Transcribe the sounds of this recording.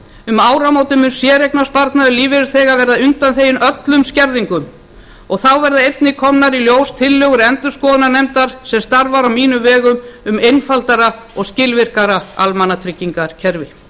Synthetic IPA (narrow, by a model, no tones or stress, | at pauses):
ʏmaːwɾamoːwt̪ʏmʏnsjɛɾejknaspaɾt̪naðʏliːvɪɾɪɾθɛːɣavɛɾðaʏnt̪anθeːjɪnœt̪lʏmscɛɾðiŋkʏm | ɔɣθawvɛɾðaejt̪nɪkʰɔmnaɾiljoːwst̪ʰɪlːœɣʏɾɛnt̪ʏ̥skɔːðnanejmt̪aɾ̥sɛmst̪aɾvaɾawmiːnʏvɛːɣʏmʏmejnfalt̪aɾaɔɣscɪlvɪr̥kaɾaa̰lmanat̪ʰɾɪcːiŋkaɾ̥cʰɛɾvɪ